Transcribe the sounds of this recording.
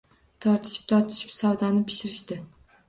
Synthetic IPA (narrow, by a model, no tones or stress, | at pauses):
t̪ʰɒɾt̪ʰɪ̥ʃɪ̥p̚t̪ʰɒɾt̪ʰɪ̥ʃɪ̥psɒwd̪anɪpʰɪ̥ʃɪɾɪʃt̪ɪ